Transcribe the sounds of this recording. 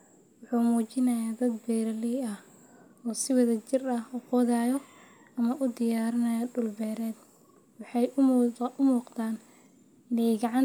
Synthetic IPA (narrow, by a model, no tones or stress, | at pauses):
wʊħuːmuːt͡ʃɪnɐjaːd̪ɐd̪bɛːɾɐlijɐh | ɔːsɪwɑðɐt͡ʃɪrɐhʊqɔðaːjɔ | ɐmɐʔʊd̪ɪjaːɾɪnɐjɐdʊlbɛːɾɛːd̪ | wɑħɑjʔʊmuːqt̪aːn | ɪnɛjɡɑʕɑn